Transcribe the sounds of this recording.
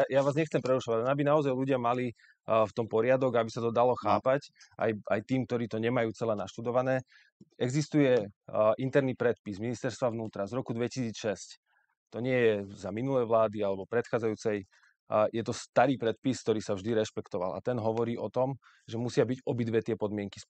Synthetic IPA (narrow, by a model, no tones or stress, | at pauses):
jajaʋaːzɲɛxt͡sɛmpɾɛɾuʃɔʋaɟanabinaɔzajluɟɪamali | ft̪ɔmpɔɾɪad̪ɔɡaabisat̪ɔd̪alɔxaːpacʔa̰ja̰jt̪iːmk̚t̪ɔɾiːt̪ɔɲɛmajuːt͡sɛlɛːnaʃt̪ud̪ɔʋanɛː | ɛɡzist̪ujɛʔint̪ɛɾnipɾɛt̪̚pizminist̪ɛɾst̪ʋaʋnuːt̪ɾazɾɔkud̪ʋɛcisiːt͡sʃɛsc | t̪ɔɲɪɛjɛzaminulɛjʋlaːd̪ialɛbɔpɾɛt̪xaːd͡zajuːt͡sɛj | jɛt̪ɔst̪aɾiːpɾɛt̪̚piskt̪ɔɾiːsavʒd̪iɾɛʃpɛkt̪ɔʋa̰lʔa̰t̪ɛnɦɔʋɔɾiːʔɔt̪ɔm | ʒɛmusɪabiɟɔbid̪ʋɛt̪ɪɛpɔd̪mɪɛŋki̥s